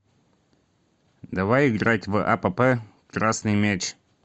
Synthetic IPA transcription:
d̪ɐvajɪɡɾatʲvʔapəpɛ | kɾasnɨjmʲet͡ɕ

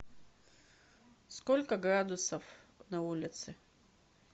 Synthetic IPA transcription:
skolʲkəɡɾad̪ʊsəfnɐulʲɪt̪sɨ

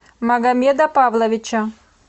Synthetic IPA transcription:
mɐɡɐmʲɛd̪ɐpavlˠɐʋʲɪt͡ʃɐ

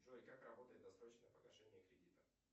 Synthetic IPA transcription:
ʐoɾʲɪkakrɐbot̪əjɪt̪d̪ɐsɾot͡ɕnəpəɡɐʂɛnʲɪjəkɾʲɪdʲit̪ə

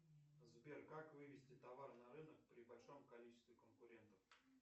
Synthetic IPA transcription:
zbʲerkakvɨvʲɪsʲtʲɪt̪ɐvarnɐɾɨnək̚pɾʲɪbɐlʲʂo̞mkɐlʲit͡ɕɪ̥st̪vʲɪkənkʊɾʲent̪əf

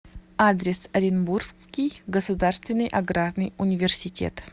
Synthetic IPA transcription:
ad̪ɾʲɪsɐɾʲɪnburskʲijɡəsʊd̪arst̪vʲɪnːɨjʔaɡrarnɨjunʲɪvʲɪrsʲɪtʲḛt̪

